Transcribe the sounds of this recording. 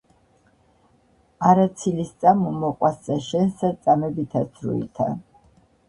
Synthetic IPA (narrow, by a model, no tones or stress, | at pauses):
aɾat̪sʰilist̪sʼamumɔqʼwaszʼɛʃɛnsd̪at̪sʼamɛbit̪ʰasʰɾṵḭt̪ʰa̰